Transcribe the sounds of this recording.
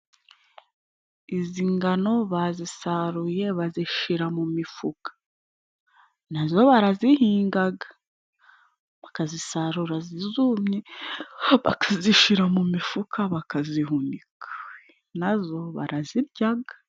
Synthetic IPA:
iziŋɡano̞βazisaɾuje̞βaziʃiɾamumifukḁ | nazo̞βaɾazihiːŋɡaɡḁ | βakazisaɾuɾazizumɲe | βa̰kaziʃiɾamumifukʰaβakaziɦunikʰa | nazo̞βa̰ɾʔaziɾɟaɡa

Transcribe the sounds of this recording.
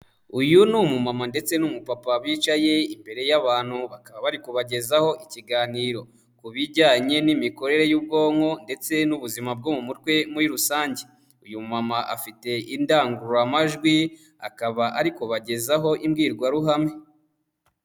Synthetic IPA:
ujunumumamande̞t͡se̞numupapaβwiːt͡ʃaje̞imbe̞ɾejaβaːn̥huβakaβaβaɾikuβaɟe̞zaho̞ʔiciɡaːniɾo̞ | kuβiɾɟaːɲe̞nimiko̞ɾe̞ɾe̞jub̚ɡoːŋho̞nde̞t͡se̞nuβuzimab̚ɡomumutwe̞muɾiɾusaːɲɟe | ujumumamaʔa̰fite̞indaːŋɡuɾamaʒɡwi | a̰kaβaʔaɾiko̞βaɟe̞zaɦo̞ʔimɡiːɾɡwaɾuɦame̞

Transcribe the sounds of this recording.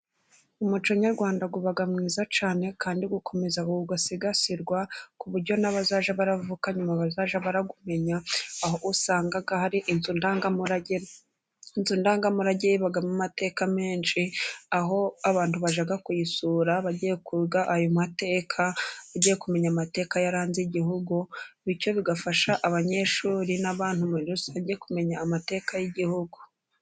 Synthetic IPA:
umut͡ʃoɲaɾɡwaːndaɡuβaɡamŋiːzat͡ʃaːne̞kʰaːndiɡukʰo̞me̞zakuuɡasiɡasiɾɡwakuβuɾɟo̞naβazaʒaβaɾavukaɲumaβazaʒaβaɾaɡume̞ɲaːɦoʔusaːŋɡaɡahaɾiʔinzundaːŋɡamuɾaɟeɾ | inzundaːŋɡamuɾaɟeβaɡamumate̞ːkameːnʃiaɦo̞aβaːn̥tuβaʒaɡakujisuːɾaβaɟijekuɡaʔajomate̞ːkʰaβaɟijekume̞ɲamate̞ːkajaɾaːnziɟihuɡuβico̞βiɡafaʃaʔaβaɲe̞ʃuːɾinaβaːnhumuiɾusaβaɟijekume̞ɲaːmate̞ːkajiɟihuɡu

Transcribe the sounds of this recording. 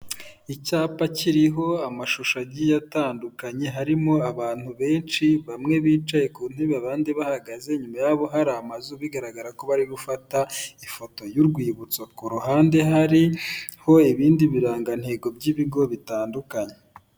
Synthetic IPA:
icaːpaciɾiɦo̞amaʃuʃaɟijataːndukaɲe̞ɦaɾimo̞aβaːn̥huβe̞ːnʃiβamŋe̞βiːt͡ʃaje̞kuːn̥eβaβaːndeβahaɡaze̞ɲumajaβo̞ɦaɾamazuβiɡaɾaɡaɾako̞βaɾiɾufataifo̞to̞juɾɡwiːβut͡swakuɾuhaːnde̞ɦaɾiho̞iβiːndiβiɾaːŋɡan̥he̞ːɡo̞bɟiβiɡo̞βitaːndukaɲe

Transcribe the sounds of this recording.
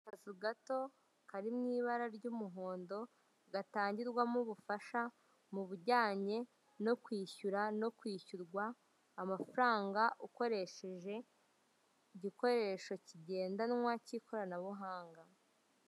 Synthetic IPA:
kazuɡato̞ | kaɾimŋiːβaɾaɾɟumuɦo̞ːndo̞ | ɡataːɲɟiɾɡwamuβufaʃa | muβuɟaːɲe̞ | no̞kwiːçuɾano̞kwiːçuɾɡwaː | mafuɾaːŋɡaʔuko̞ɾe̞ʃe̞ʒe̞ | iɟiko̞ɾe̞ːʃo̞ciɟe̞ːndanŋwacikʰo̞ɾanaβuɦaːŋɡa

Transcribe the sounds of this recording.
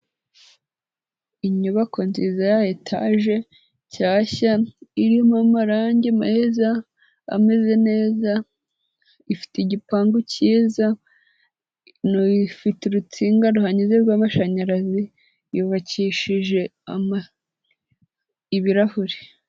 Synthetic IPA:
iɲuβakonziːzajajetʰa̰ːʒe̞ | caːçaiɾijomamaɾaːɲɟemaheza̰ː | me̞ze̞ne̞ːza | ifi̥teɟipaːŋɡuciːza | noifiteɾut͡siːŋɡaɾuhaɲizeɾɡwaːmaʃaɲaɾazi | juβaciʃiʒe̞ama | iβiɾahuɾe

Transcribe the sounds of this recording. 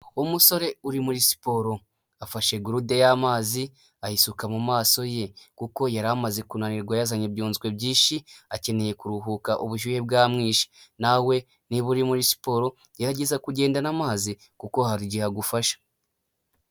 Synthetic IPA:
umuso̞ɾe̞uɾimuɾisi̥po̞ɾo̞ | afaʃe̞ɡuɾudejamaːzi | ahisukamumaːso̞je̞kuko̞jaɾamaze̞kunaniɾɡwajazaɲebjuːnzɡwe̞bɟiːʃiace̞ne̞je̞kuɾuɦukaʔuβuʒuje̞bɡaːmŋiːʃi̥nawe̞ | niβuɾimuɾisi̥po̞ɾo̞ | jaɾaɟe̞zakuɟe̞ːndanamaːzi | kuko̞haɾiɟihaɡufaʃḁ

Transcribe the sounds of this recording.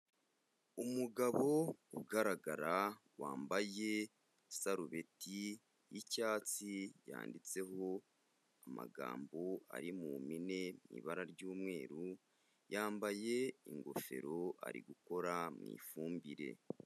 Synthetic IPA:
umuɡaβo̞uɡaɾaɡaɾawaːmbaje̞ | saɾuβe̞ti | jicaːt͡sija̰ːndit͡se̞ɦo̞ | ama̰ɡa̰ːmboa̰ɾimumine̞mḭβaɾaɾɟuːmŋe̞ːɾu | jaːmbaje̞iŋɡo̞̰fe̞̰ɾo̞a̰ɾiɡuko̞ɾamŋḭːfuːmbiɾe̞̰

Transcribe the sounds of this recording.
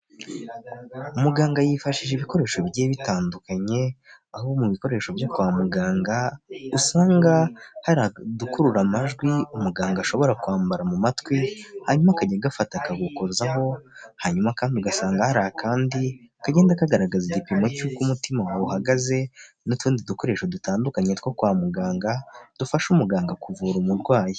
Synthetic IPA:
umuɡaːŋɡajifaʃiʒeːβiko̞ɾe̞ːʃo̞bɟeːβitaːndukaɲe̞ | ahuβomuβiko̞ɾe̞ːʃo̞vjakwaːmuɡaːŋɡausaːŋɡahaɾadukuɾuɾamaʒɡwiumuɡaːŋɡaːʃo̞βo̞ɾakuaːmbaɾamumatwihaɲumakaɟeɡafatakaɡukoɾzaɦo̞haɲumakaːndiuɡasaːŋɡahaɾaakʰaːndikaɟe̞ːndakaɡaɾaɡaziɟipimocukumutimawauhaɡaze̞ | nutuːndiduko̞ɾe̞ːʃo̞dutaːndukaɲetkokwaːmuɡaːŋɡad̥ufaʃumuɡaːŋɡakuvuɾumuɾɡwaːje

